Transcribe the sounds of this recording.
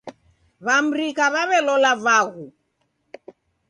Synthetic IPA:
βam̩ɾikaβaβɛlɔlavaɣu

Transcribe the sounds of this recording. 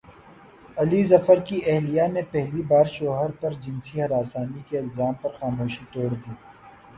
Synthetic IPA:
ɐlizɐfəɾkiʔɛɦlijanepɛɦlibaːɾʃoːɦəɾpɐɾd͡ʒɪ̃nsiɦɐɾaːsaːnikeɪlzaːmpɐɾxaːmoːʃit̪oːɽd̪iː

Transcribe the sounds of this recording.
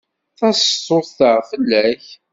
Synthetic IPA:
θæstˤːʊθθəʁfəlːæç

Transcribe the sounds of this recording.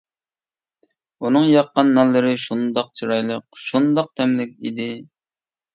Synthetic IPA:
unɨŋjɑqːɑnːɑlːˠɨɾɪʃund̪ɑq̚t͡ʃʰiɾɑjlˠəq̚ʃund̪ɑq̚t̪ʰɛmlɪk̚ʲid̪ɪ

